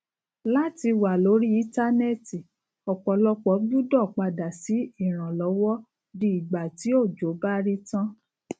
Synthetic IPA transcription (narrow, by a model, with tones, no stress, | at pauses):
la˦ti˧wa˨lo˨˦ɾi˦i˦ta˦nɛ˦˨ti˨ | ɔ˨k͡pɔ˨˦lɔ˧k͡pɔ˨˦ɡ͡bu˦dɔ˦˨k͡pa˧da˨si˨˦i˦˨ɾ̃ã˨lɔ˨˦wɔ˦ | di˧i˨ɡ͡ba˨ti˨˦o˦˨d͡ʒo˨˦ba˦ɾi˦tã˦